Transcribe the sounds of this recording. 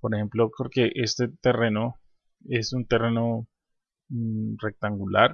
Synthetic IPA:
poɾexe̞mplokoɾke̞ʔe̞st̪e̞t̪e̞re̞no̞ | e̞sunt̪e̞re̞no̞ | re̞k̚t̪aŋɡulaɾ

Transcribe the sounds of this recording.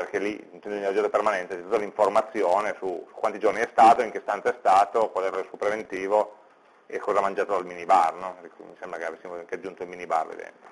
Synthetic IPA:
perkelːint̪ɛnd̪onad͡ʒɛnt̪opermanɛnt̪et͡ʃɛt̪ut̪ːaliɱformat̪sːjoːnesusukwant̪id͡ʒorniɛst̪aːt̪oiŋkest̪ant̪ɛst̪aːt̪opwɔd̪ɛɾlesupɾevent̪iːvo | ekːɔːzamand͡ʒaːt̪od̪alminibarnɔskmisɛmbɾakeavesːimoaŋkead͡ʒːunt̪oilminiba̰rvḛd̪ɛ̰nt̪o

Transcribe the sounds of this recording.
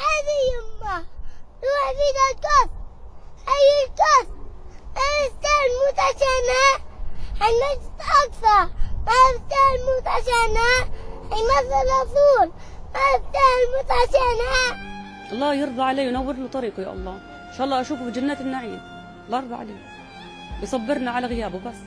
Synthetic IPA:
had̪ijʊmːaɾuːħfid̪alkʊs̚ʔajːɪlkos̚maɾɪst̪almʊt̪aʃana | hajmad͡ʒt̪ʔɑkθɑɾˤmaɪbt̪almʊt̪aʃanahajmaθːɪlɑt̪ˤuːlmaɪbt̪almʊt̪aʃana | ʔɑlˤːɑːjɪɾd̪ˤɑʕaleːjʊnawːɪɾlɪt̪ˤɑɾiːqɑja̰ːʔɑ̰lˤːɑː | ɪnʃaːʔɑlˤːɑːʔaʃuːfbɪd͡ʒanːaːt̪ɪnːaʕiːm | lːɑːɑɾd̪ˤɑ̰ʕa̰leː | bɪsˤɑbːɪɾnaʕalaɣɪjaːbʊbas

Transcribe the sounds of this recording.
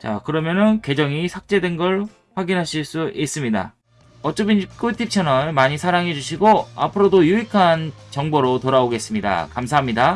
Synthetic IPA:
t͡ɕa̰kɯɾʌmjʌnɯnkwe̞d͡ʑʌŋisʰak̚t͡ɕ͈e̞dwe̞nɡʌɭ | ɸwaɡinɦaɕʰiɭs͈uʔis͈ɯmɲida̰ | ʌt͡ɕ͈ʌbink͈ʰoitʰip̚t͡ɕʰanʌmaɲisʰaɾaŋɦe̞d͡ʑuɕʰiɡoa̰pʰɯɾodojuikʰant͡ɕʌŋboɾotoɾaoɡe̞s͈ɯmɲida̰kamsʰaɦamɲida

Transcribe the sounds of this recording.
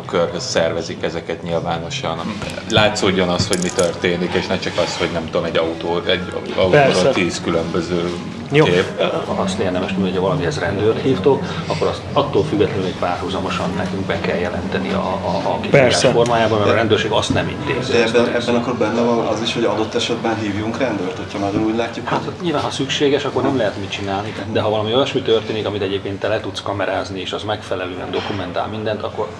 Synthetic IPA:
kørhøsːɛrvɛzikɛzɛkɛt̪ɲilvaːno̞ʃɒn | laːt̪soːɟːonɒst̪ho̞ɟmit̪ørt̪eːnikeːʃnɛt͡ʃɒkɒst̪ho̞ɟnɛmt̪uoomɛɟːɒut̪oːɛɟ | ɒuɛot̪ːiːskylømbøzøː | jokeːpɒst̪eːrd̪ɛmɛʃmynhocʰhɒvɒlɒmiɛzrɛnd̪øːrt̪hiːft̪ok | ɒkːoɾɒst̪ɒt̪ːoːlfyɡːɛt̪lɛnynecpaːrhuzɒmo̞ʃɒnːɛkyŋɡbɛkɛljɛlɛnt̪ɛniɒ̰ːkiaːʃfo̞rmaːjaːbɒmɛɾɾɛnd̪øːrʃeːɡɒst̪nɛmḭnt̪ḛːzɛːɛɛbːɛnɒkːorbɛnːɛvɒnɒ̰ziʃho̞ɟɒd̪ot̪ːɛʃɛd̪bɛnɦiːvjuŋkrɛnd̪øːrt̪hocʰhɒnɒɟonuːɟʲlaːcːukhaɲilvaːnɦɒsykʃeːɡɛʃɒkːo̞rnɛmlɛɦɛt̪mit͡ʃinaːlnid̪ɛɦɒvɒlɒmiojɛʃmit̪ørt̪eːnikɒmit̪ɛɟeːp̚keːnt̪ːɛlɛt̪ut̪skɒmɛɾaːznieːʃɒzmɛkfɛlɛløːɛ̰nd̪o̞kumɛnt̪a̰lmind̪ɛnt̪ɒkːo̞r

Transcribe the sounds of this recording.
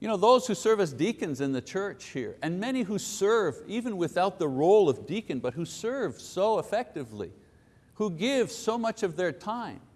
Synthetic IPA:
jɨñoʊðoʊz̥hʉsɜ˞vɨzdikɨ̃nzɨ̃nðɨt͡ʃʰɜ˞t͡ʃhḭɹɨ̃nmɛñiɦusɜ˞vivɨ̃nwɪθaʊt̪̚ðəɹoʊlˠʌvdikɨ̃nbʌt̚ɦusɜ˞v̥soʊəfɛk̚tɨvlḭ | huɡɪv̥soʊmʌt͡ʃʌvðə˞tʰãɪ̃m

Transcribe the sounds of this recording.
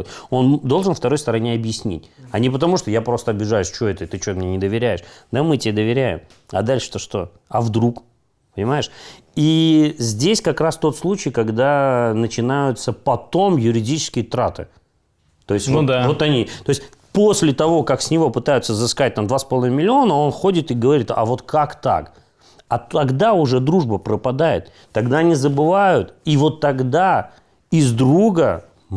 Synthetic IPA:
tʲo̞nd̪o̞lˠʐɨnft̪ɐɾo̞jst̪əɾɐnʲeɐbjɪsʲnʲḭtʲɐnʲɪp̬ət̪̬ɐmuʂt̪ojapɾo̞st̪əɐbʲɪʐajʊsʲt͡ɕɪo̞ɛt̪ət̪ɨt͡ɕʊot̪mɪnʲenʲɪd̪əvʲɪɾʲæjɪʂd̪amɨtʲɪed̪əvʲɪɾʲæjɪ̰m | ɐ̰d̪alʲʂɨ̥t̪oʂt̪o̞̰ | ɐvd̪ɾuk | pənʲɪmaɪʂ | izʲdʲesʲkɐkɾast̪o̞t̪slˠut͡ɕɪjkɐɡd̪anət͡ɕɪnajʊt̪səpɐt̪o̞mjʊɾʲɪdʲit͡ɕɪ̥skʲɪjət̪ɾat̪ɨ̰ | t̪o̞ɪsʲt̪ʲvd̪vot̪ɐnʲit̪o̞ɪsʲ | po̞sʲlʲɪt̪ɐvo̞kaksʲnʲɪvo̞pɨt̪ajʊt̪səzɨskat̚ʲt̪amd̪vaspɐlˠmʲɪlʲɪo̞nəo̞nxo̞dʲɪt̪ɨɡəvɐɾʲit̪ɐ̰vo̞t̪kʰakt̪a̰k | ɐt̪ɐɡd̪aʊʐɛd̪ɾuʐbəpɾəpɐd̪ajɪ̰t̪ːɐɡd̪aɐnʲizəbɨvajʊt̪ivo̞t̪ːɐɡd̪a | ɪzd̪ɾuɡə

